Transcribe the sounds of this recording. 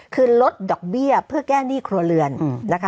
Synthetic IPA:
kʰɯː˧lo˦˥t̪̚dɔː˨˩k̚bi˥˩ɐpʰɯ˥˩ɐkɛː˥˩niː˥˩kʰɾu˧ɐlɯ˧ənna˦˥kʰa˦

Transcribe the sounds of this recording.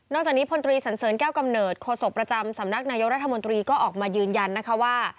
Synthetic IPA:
nɔː˥˩k̚t͡ɕaː˨˩kniː˦˥pʰo˧nt̪ɾiː˧sa˩˦nsɤː˩˦nkɛː˥˩wka˧mnɤː˨˩t̪̚kʰoː˧so˨˩k̚pɾa˧t͡ɕa˧msa˩˦mna˦˥k̚naː˧jo˦˥ɾa˦˥t̪ʰːa˧mo˧nt̪ɾiː˧kɔː˥˩ʔɔː˨˩k̚maː˧jɯː˧nja˧nːa˦˥kʰa˦˥waː˥˩

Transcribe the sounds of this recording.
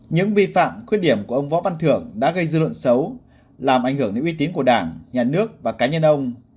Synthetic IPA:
ɲɨ̰˧˥ŋvi˧fa̰ː˧˨mkwt̚ɗi˧˩əmku˧˩əʔə˧wŋ͡mvɔ̰˧˥va˧nt̪ʰɨ˧˩əŋɗa̰ː˧˥ɣə˧jzɨ˧lwə̰˧˨nsə˨˦w | laː˨˩mʔa˧˩jŋhɨ˧˩əŋɗe˧˦ʔwi˧˦t̪i˨˦nku˧˩əɗaː˧˩ŋɲaː˨˩nɨ˦˥ək̚vaː˨˩kaː˨˦ɲə˧nʔə˧wŋ͡m

